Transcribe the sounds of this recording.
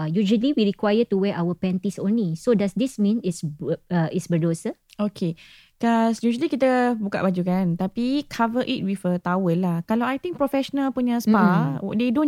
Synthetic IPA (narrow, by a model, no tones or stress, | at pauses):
jud͡ʒəliwiɹikwajətuwɛʔawəpɛ̃nt̪isõ̰nlisodasdismĩnitsbitsbədosəokʰe | kɔsjud͡ʒəlikit̪əbuka̰ʔbad͡ʒukant̪apikʰavəʔit̚wifət̪awəlːahkalawajt̪ĩŋk̚pɾɔfɛʃonalpuɲə̃spawɔ̰ʔ̚dedõn